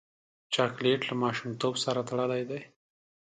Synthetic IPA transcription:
t͡ʃɑkleʈlamɑʃumt̪obsaɾat̪aɽəlajd̪aj

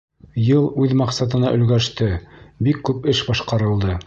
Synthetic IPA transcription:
jɤlˠʉðmɑqsɑt̪̬ɤ̆nɑʔɵ̆lɡæʃt̪ɘbikːʉpɘʃbɑʃqɑɾɤ̆lˠd̪ɤ

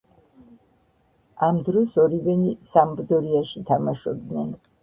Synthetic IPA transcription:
amd̪ɾɔsɔɾivɛnisambd̪ɔɾiaʃit̪ʰamaʃɔb̚d̪nɛn

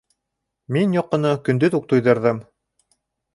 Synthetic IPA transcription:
minjoqːɤ̆nɤkɵ̆nd̪ɵt̪uq̚t̪ujðɤ̆ɾðɤm

